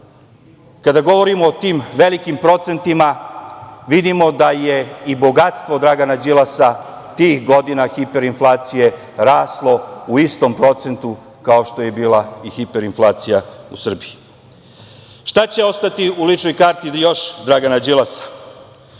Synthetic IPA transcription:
kad̪aɡo̞ʋo̞ɾimoːt̪iːmʋe̞likimpɾo̞t̪se̞nt̪ima | ʋid̪imo̞d̪aje̞ibo̞ɡat̪st̪ʋo̞d̪ɾaɡanad͡ʑilˠasa | t̪iːxɡo̞d̪inaxipe̞ɾinflˠaːt̪sije̞ | ɾaːslˠo̞uist̪o̞mpɾo̞t̪se̞nt̪u | kaoʃt̪o̞je̞biːlaixipeɾinflˠaːt̪sijausr̩bii | ʃt̪at͡ɕe̞o̞st̪at̪iulit͡ʃnojkaːɾt̪ijo̞ʃd̪ɾaɡanad͡ʑilasḁ

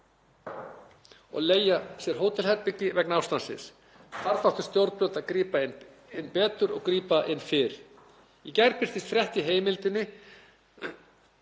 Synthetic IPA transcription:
ɔ̰ɣleːjasjɛɾ̥ɦoːwt̪ʰɪlhɛɾpɪcːɪvɛknawst̪ansɪ̰s | θaɾθawht̪ʏ̥st̪jowɾt̪̚pjolt̪aðkɾiːpaɪn | ɪnːpɛːt̪ʏɾɔ̰ɣkɾiːpaʔɪnːfɪɾ̥ | ɛcɛɾpɪr̥t̪ɪst̪θɾjɛht̪ɪɦeːjmɪlt̪ɪnːɪ

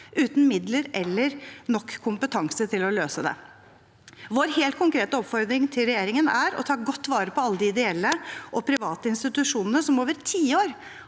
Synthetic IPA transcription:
ʔʉːt̪n̩mɪd̪ləɾɛlːəɾnɔkːkʰːʊmpət̪ʰɑŋsət̪ʰɪlɔløːsəd̪ɛ̰ | ʋoːɾheːlt̪kʰʊŋkɾeːt̪əɔpfɔɾd̪ɾɪŋt̪ʰɪlɾɛjeːɾɪŋənæɾɔ̰t̪ʰɑːɡɔt̪ːʋɑːɾəpʰɔɑlːəd̪ɪɪd̪ɛɛlːəʔɔpʰɾɪʋɑːt̪əɪnst̪ɪt̪ʉʂuːnənəsɔmoːʋəɾt̪ʰiːoːɾ

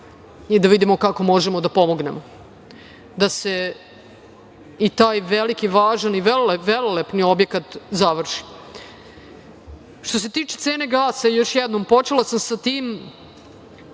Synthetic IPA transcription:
id̪aʋid̪imo̞kako̞mo̞ʒemod̪apo̞moɡnemo | d̪ase̞ | it̪aːjʋelikiʋaːʒaniʋeloleʋelolepnio̞bjekat̪zaʋr̩ʃi̥ | ʃt̪o̞se̞t̪iːt͡ʃet̪seːne̞ɡaːsaijo̞ʃjɛd̪nompo̞t͡ʃelasamsat̪iːm

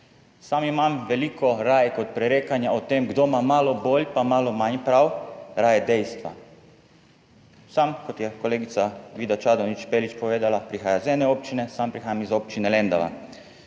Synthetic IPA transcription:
samimamʋɛliːkʰɔɾaːjkɔt̪̚pɾɛɾeːkanjaot̪eːmɡd̪omamaːlɔboːljpamaːlɔmaɲpɾawɾaːjɛd̪ɛjst̪ʋa̰ | samkɔt̪jɛkɔleːɡit̪saʋiːd̪at͡ʃaːd̪ɔnit͡ʃpeːlit͡ʃpɔʋeːd̪alapɾixaːjazɛːnɛoːp̚t͡ʃinɛsampɾixaːjamizoːpt͡ʃinɛlɛnd̪a̰ʋa̰

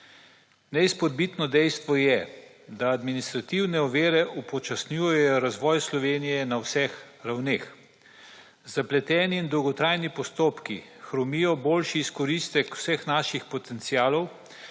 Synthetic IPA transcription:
nɛispɔd̪̚bit̪nɔd̪ɛjst̪ʋɔjɛ | d̪aːd̪minist̪ɾat̪iwnɛɔʋeːɾɛʔupɔt͡ʃasnjujɛjɔɾazʋɔːjslɔʋeːnijɛnawsɛx | ɾawneːx | zaplɛt̪ɛːniːnd̪ɔwɡɔt̪ɾaːjnipɔst̪oːpkixɾɔmijɔboːlʃiːskɔɾist̪ɛkw̥sɛxnaːʃixpɔt̪ɛnt̪siaːlɔw

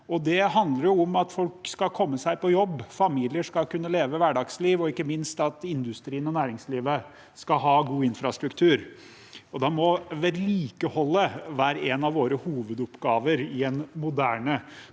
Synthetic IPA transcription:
ɔd̪ɛɦɑnd̪ləɾjʊʊmɑt̪fɔlkskɑkʰɔmːəsæɪpɔjɔbːfɑmiːlɪəʂkɑkʉnːəleːʋəʋæɖɑɡsliːʋɔɪkːəmɪnst̪ɑt̪ɪnd̪ʉst̪ɾiːənɔnæːɾɪŋsliːʋə | skɑɦɑːɡuːɪnfɾɑst̪ɾʉkt̪ʰʉːɾ | ɔd̪ɑmɔʋɛliːkəhɔlːəʋæːɾəɛnɑʋoːɾəhuːʋəd̪ʊpɡɑːʋəɾɪɛnmʊd̪æːɳə

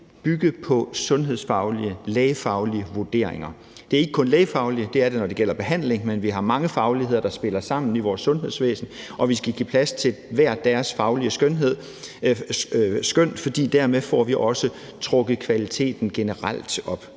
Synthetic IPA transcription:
b̥yɡ̥əpʰɒ̽sɔ̽nɦe̝ð̞̰ˠsfɑ̈ʊliəleːɪfɑ̈ʊliəʋuɐd̥e̝̰ɐ̰eŋɐ | d̥e̝æɐe̝ɡ̥ə̥kʰɔ̽nleːɪfɑ̈ʊliəd̥e̝æɐɾ̥e̝nɒd̥e̝ɡ̥el̰ɐb̥e̝ɦæn̰le̝ŋmenʋiɦɑ̈mɑ̈ŋəfɑ̈ʊlihe̝ð̰ˠɐd̥ɑ̈sb̥e̝lɐsɑ̈m̰n̩iʋɒːsːɔ̽nɦe̝ð̰ˠsʋḛːsn̩ | ʔɒ̽ʋisɡ̥æɡ̥ḭːpʰlæst͡sʰe̝ʋæɐ̰̥æɐsfɑ̈ʊliəsɡ̥ønɦe̝ð̞̰ˠ | sɡ̥øn̰̥fɒ̽d̥ḭːd̥æɐ̰meðfɒ̰ːʋiʔɒ̽sə | t͡sʰʁɔ̽ɡ̥ð̩ˠkʰʋælit͡sʰe̝̰ːd̥n̩ɡ̥e̝nəʁal̰d̥ɒ̽b̥

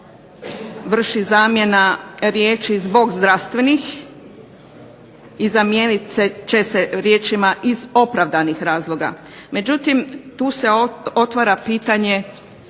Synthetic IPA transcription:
ʋr̩ʃizaːmje̞naɾje̞ːt͡ʃizbo̞ɡzd̪ɾast̪ʋe̞nix | izamjeːnit̪set͡ʃe̞seɾje̞ːt͡ʃimaʔizo̞pɾaʋd̪anixɾaːzlˠo̞ɡa̰ | me̞d͡ʒut̪imt̪uːseo̞t̪ʋaɾapiːt̪aɲe̞

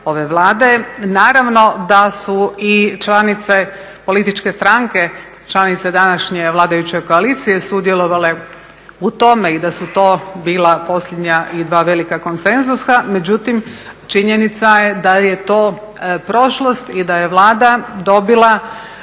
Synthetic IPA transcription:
o̞ʋe̞ʋlˠaːd̪e̞naːɾaʋno̞d̪asuit͡ʃlˠanit̪se̞ | po̞lit̪it͡ʃke̞st̪ɾaŋke̞ | t͡ʃlˠanit̪sed̪anaʃɲe̞ʋlˠaːd̪ajut͡ɕeko̞alit̪sije̞sud̪jelˠo̞ʋale̞ | ut̪o̞meid̪asut̪o̞ːbiːlˠapo̞sʎʲed̪ɲaʔid̪ʋaːʋe̞likako̞nse̞nzusame̞d͡ʑut̪imt͡ʃiɲenit̪sajed̪ajet̪o̞ː | pɾo̞ʃlˠost̪id̪aje̞ʋlˠaːd̪ad̪o̞bilˠa

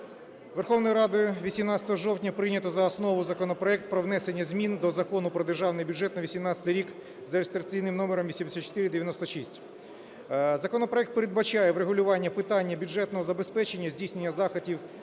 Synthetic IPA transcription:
ʋerxɔwnɔjiɾɑd̪ʊʊʋʲisʲimnɑt͡sʲɐ̥t̪ɔɦɔʒɔwtʲnʲɐpɾɪnʲɐt̪ɔzɐːsnɔʋʊzɐkɔnɔpɾɔɛk̚t̪̚pɾɔʋnɛsenʲːɐzʲmʲind̪ɔzɐkɔnʊpɾɔd̪erʒɑwnɪjbʲʊʐɛt̪nɐʋʲisʲimnɑt͡sʲɐ̥t̪ɪɾʲik | zɐɾest̪ɾɐk̚t͡sʲijnɪmnɔmeɾɔmʋʲisʲimd̪sʲat̪t͡ʃːo̥t̪ɪɾɪd̪eʋʲjɐnɔst̪ɔʃisʲtʲ | zɐkɔnɔpɾɔɛkt̪̚peɾed̪̚bɐt͡ʃajɛʋɾeɦʊlʲʊʋɑnʲːɐpɪt̪ɑnʲːɐbʲʊdʐɛt̪nɔɦɔzɐbespɛt͡ʃenʲːɐzʲdʲijsʲnenʲːɐzɑxɐtʲiw

